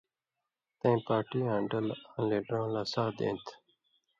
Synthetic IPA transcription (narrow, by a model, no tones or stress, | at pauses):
t̪ẽːpaːʈiːɦãːɳɖəlãːleːɖəɾãːlaːsaːd̪ḛ̃ːnt̪ʰ